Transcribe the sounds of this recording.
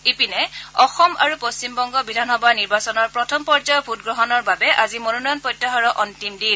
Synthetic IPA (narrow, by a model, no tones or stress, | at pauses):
epinɛɔxɔma̰ɹupost͡ʃimbɔŋɡɔbidʱanxɔbʱaniɹbasɔnɔɹpɹɔtʰɔmpɔɹd͡ʒɔjɔbʱut̚ɡɹɔɦɔnɔɹbabɛʔazimonunɔjɔnpɔjtːaɦɔɹɔʔɔntimdil